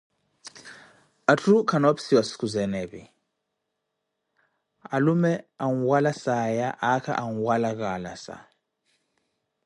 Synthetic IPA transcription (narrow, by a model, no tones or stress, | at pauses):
atʰʼrukʰanopsiwasi̥kʰuzɛnɛɓi | alumɛaŋuwalasajaʔakʰa̰ʔaŋuwalak̬ʼala̰sa̰